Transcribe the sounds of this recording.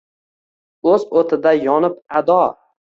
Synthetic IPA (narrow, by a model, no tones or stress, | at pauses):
ɵzot̪ʰɪd̪ajɒnɪp̚ad̪ɒ